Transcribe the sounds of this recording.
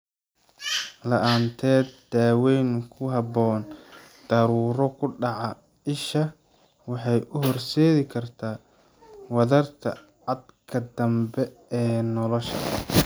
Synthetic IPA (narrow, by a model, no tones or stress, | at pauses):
lɐʔaːnt̪ʰɛːd̪̚d̪̥aːwɛjŋkʰʊɦɐbɔːn | d̪̥ɐɾuːɾɔkʰʊɖɑʕɑ | ɪʃɐ | wɑħɑjʔʊɦɔrsɛːɣɪkʰɐrt̪ʰaː | wɑðɐrt̪ʰɐ̰ | ʕɑd̪kʰɐd̪ɐmbɛ | ɛːnɔlɔʃɐ̰